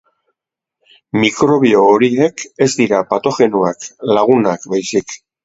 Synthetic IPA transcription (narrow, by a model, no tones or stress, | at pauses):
mikɾo̞β̞io̞ːɾie̞ke̞zd̪iɾapat̪o̞xe̞nuaklaɣ̞unakbajsik